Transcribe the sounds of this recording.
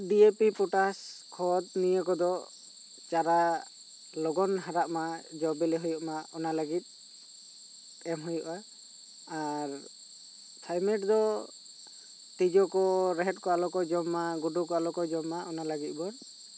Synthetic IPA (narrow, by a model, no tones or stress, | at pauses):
ɖiepipɔʈaskʰɔd̪̚nijəkɔd̪ɔ | t͡ʃaɾa | lɔɡɔnɦaɾaʔmad͡ʒɔbɛlɛɦujɔʔmaɔnalaɡit̪̚ˀ | ɛmɦujɔʔa | aɾ | t̪ʰajmɛʈd̪ɔ | t̪id͡ʒɔkɔɾɛɦɛt̪̚kɔalɔkɔd͡ʒɔmːaɡuɖukɔalɔkɔd͡ʒɔmːaʔɔnalaɡit̪̚ˀbɔn